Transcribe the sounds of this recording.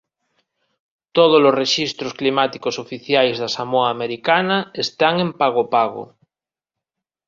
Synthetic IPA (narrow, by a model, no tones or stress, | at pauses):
t̪oð̞olozreʃist̪ɾosklimat̪ikosofiθjajzðasamoaːmeɾikanaest̪aŋẽmpaɣopaɣo̰